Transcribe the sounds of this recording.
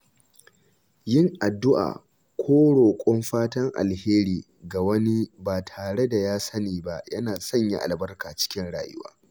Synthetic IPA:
jɪ˦ŋʔa˨dːʊ˦ʔa̰ː˨ | kʷʰoː˦ɽoː˨kʷʼɔ˦mɸaː˦tɐ˦ŋʔa̰˨lheː˦ɾiː˨ | ɡa˨wɐ˦ni˦baː˨tʰaː˨ɽe˦da˨jaː˦sɐ˦niː˨ba˦jɐ˦naː˨sɔ˦˨ɲja̰˦ʔa̰˨lbɐ˦rkaː˨t͡ʃɪ̥˦kʲɪ˦nɽa̰ː˨jʊ̰˦wa̰ː˦

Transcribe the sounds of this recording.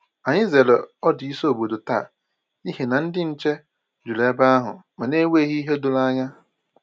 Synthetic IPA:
a˨ɲɪ˦ze˨le˨ɔ˦dɪ˨i˦so˦o˨bo˨do˨ta̰˦˨ | i˦ɦe˨na˨n̩˦dɪ˦n̩˦t͡ʃe˦ | d͡ʒu˨le˦ba˦a˦ɦʊ̰˨ma˨ne˦we˦ɣi˦i˦ɦe˦dʊ˦˨la˦ɲa˦

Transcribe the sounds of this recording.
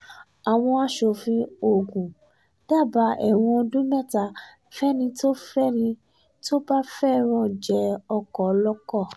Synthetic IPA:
a˨w̃ɔ̃˧a˦ʃo˧fĩ˧o˨ɡũ˨ | d̥a˦˨ba˨˦ʔɛ˦˨w̃ɔ̃˧dũ˦mɛ˦˨ta˧˨ | fɛ˦nĩ˧to˦fɛ˦nĩ˧ | to˦ba˦fɛ˦ɾ̃ɔ̃˦˨d͡ʒɛ˨˦ɔ˧kɔ˨˧˦lɔ˦kɔ˦˨

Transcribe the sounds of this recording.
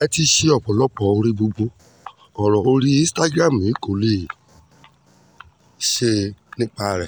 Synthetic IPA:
ɛ˦ti˦ʃe˦ɔ˦˨k͡pɔ˨lɔ˦k͡pɔ˨o˧ɾi˦ɡ͡bo˧ɡ͡bo˦ | ɔ˨ɾɔ˨o˧ɾi˦ĩ˦sta˦ɡɾa˦˨m̩˨i˨˦ko˨le˦˨ | ʃe˦nĩ˦k͡pa˦˧ɾɛ˨

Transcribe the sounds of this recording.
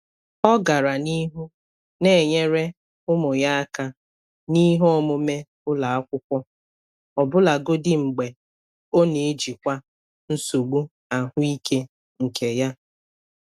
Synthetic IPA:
ɔ˦ɡa˨ɾa˨ni˦ɦu˦ | ne˨e˨ɲe˦ɾe˦ | ʊ˦mʊ˨ja˦a˦ka˦ | ni˦ɦɔ˦mʊ˦me˦ | ʊ˦la˨a˦kʷʊ˦kʷɔ˦ | ɔ˨bʊ˦la˨ɡo˦dɪ˦ŋ͡m̩˨ɡ͡be˨ | o˦ne˨e˦d͡ʒi˨kʷa˦ | n̩˦so˨ɡ͡bu˦ | a˨ɦʊ˦i˦ke˦ | ŋ̩˨ke˨ja˦

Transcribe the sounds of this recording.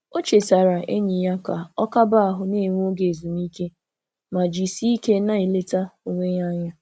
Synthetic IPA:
o˦t͡ʃe˨sa˨ɾa˨ʔḛ˦ɲi˨ja˦ka˨ɔ˦ka˦ba˦a˨ɦʊ˦ne˦˨ŋʷ˦o˦ɡe˨zu˨mi˦ke˦ | ma˨d͡ʒi˨si˦i˦ke˦na˦e˨le˦ta˦o˨ŋʷe˦ɲa˦ɲa˦

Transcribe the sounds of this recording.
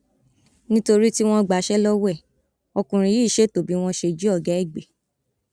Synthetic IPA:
nĩ˦to˧ɾi˦ti˦w̃ɔ̃˦ɡ͡ba˨˦ʃɛ˦lɔ˦wɛ˦˨ | ɔ˧kũ˨ɾ̃ĩ˧jiː˦˨ʃe˦˨to˨bi˨˦w̃ɔ̃˦ʃe˧d͡ʒi˦ɔ˦˨ɡɛ˨˦ɛ˦˨ɡ͡be˨

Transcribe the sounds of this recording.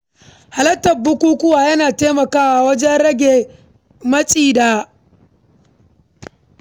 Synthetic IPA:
ha˨lɐ˦tːɐ˨bʊ˦kʷuː˦kʷʊ˦waː˨jɐ˦naː˨teː˦mɐ˨kaː˦wa˨wɐ˦d͡ʒɛ˦nɾɐ˦ɡʲe˨ | mɐ˦t͡ʃʼiː˨daː˨

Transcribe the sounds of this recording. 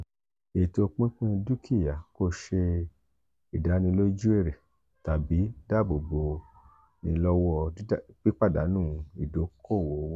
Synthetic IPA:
e˨to˧k͡pĩ˦k͡pĩ˦du˦kʰi˦˨ja˨ko˧˦ʃe˧ | i˨da˨˦nĩ˧lo˦d͡ʒu˦e˦˨ɾe˨ | ta˨bi˨˦da˦bo˨bo˧ | nĩ˧lɔ˦wɔ˧˦k͡pi˦k͡pa˦˨da˨˦nũː˦i˨do˨˦kʰo˦˨wo˨˦w

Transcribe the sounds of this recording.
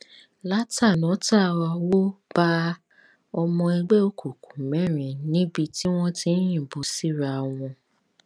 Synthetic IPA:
la˦ta˦˨nɔ̃˨˦ta˦˨wa˧wo˦b̥a˦ | ɔ˧mɔ̃˧e˧ɡ͡be˦o˦kʰu˨ku˨mɛ̃˨˦˨ɾ̃ĩ˨nĩ˦bi˧ti˦w̃ɔ̃˦tĩ˧˦j̃ĩ˦˨bo˧si˦˨ɾa˧˨˧w̃ɔ̃˧

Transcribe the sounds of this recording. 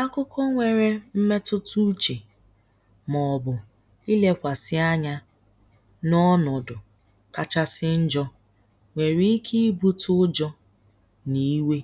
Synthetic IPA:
a˦kʊ˦kʰɔ˦ŋʷe˨ɾe˦m̩˦me˦tʊ˦tu˦t͡ʃe˨ | mɔ˨bʊ˨ | i˦le˦kʷa˨sɪ˦a˦ɲa˦ | nɔ˦nɔ˨dʊ˨ | ka˦t͡ʃa˦sɪ˦n̩˦d͡ʒɔ˦ | ŋʷe˨ɾi˦i˦kʰi˦i˦bu˦tʰʊ˦d͡ʒɔ˦ | ni˦we˦

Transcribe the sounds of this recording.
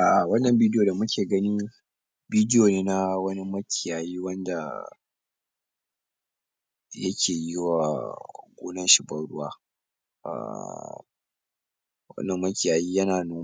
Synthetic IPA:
ʔaː˨ʔa˨wɐ˦nːɐ˨mbiː˦djoː˨da˨mʊ˦kʲeː˨ɡɐ˦ni˦ | biː˦dɪ˦joː˨neː˦na˦wɐ˦ni˦mɐ˦kʲɪ˨jaː˨jiː˦wɐ˦nda˨ | jɐ˦kʲʰeː˨jɪ˦wa˨ɡʷoː˦nɐ˦nʃɪ˨bɐ˦ɽʊ˦waː˦ | ʔa̰˨ | wɐ̰˦nːɐ˨mːɐ˦kʲɪ˨jaː˨jiː˦jɐ˦naː˨noː˦

